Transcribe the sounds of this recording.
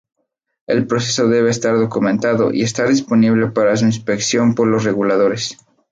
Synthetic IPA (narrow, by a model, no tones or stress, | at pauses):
e̞lpɾo̞se̞so̞ðe̞βe̞ːst̪aɾðo̞kumẽnt̪aðo̞̰ʔḭe̞st̪aɾðispo̞niβle̞paɾas̬uinspe̞ksjo̞mpo̞ɾlo̞sre̞ɣulað̞o̞ɾe̞s